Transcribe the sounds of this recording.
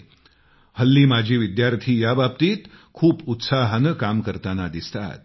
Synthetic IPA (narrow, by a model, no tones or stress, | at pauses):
həlːiːmad͡ʑʱiːʋid̪jaɾt̪ʰiːjabap̚t̪iːt̪ | kʰuːput̪saɦənkamkəɾt̪anad̪ist̪a̰t̪̚